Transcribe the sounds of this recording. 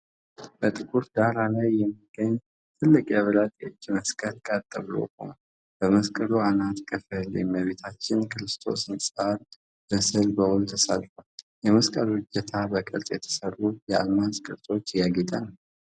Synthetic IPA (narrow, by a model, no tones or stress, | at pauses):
b̥ət̪ʼɨkʼuɾd̪aɾalajːɛmːiɡəɲː | t̪ʰɨlːɨkʼjaβəlat̪ʼot͡ʃːməskʼəlkʼat̪ʼːəβlo̰ho̰n | b̥əməskʼəluanat̪kʰʼəfəleməβe̞t̪ʰat͡ʃːɪnkʰɨɾɨst̪ʰo̞̰sɨnsʼal | b̥əsɨlbəwʊlt̪ʰəsa̰lfa | jɛməskʼəɾɨd͡ʒːət̪ʰabəkʼəɾt̪ʼjɛt̪ʰə̥sərːujɛa̰lmaskʼəɾt̪ʼo̞t͡ʃːjaɡit̪ʼanəw